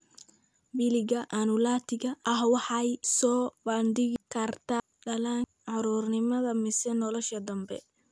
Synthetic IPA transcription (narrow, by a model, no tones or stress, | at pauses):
bilɪɣɐʔanʊlaːt̪ʰɪɣɐʔɐhwɑħɑjsɔːbɐnd̪ɪɣɪkʰɐrt̪ʰa | ɖɐlaːn | ʕɑɾuːrnɪmɐðɐmɪsɛnɔlɔʃɐd̪ɐmbɛ̰